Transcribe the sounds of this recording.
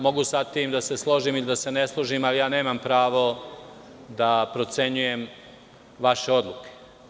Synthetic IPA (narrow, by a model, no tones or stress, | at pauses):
mo̞ɡusat̪iːmd̪ase̞slˠo̞ʒimilid̪ase̞ne̞slˠoʒimalijaːne̞ːmampɾaːʋo̞ | d̪apɾo̞t̪se̞ɲuje̞m | ʋaʃe̞o̞d̪lˠuke̥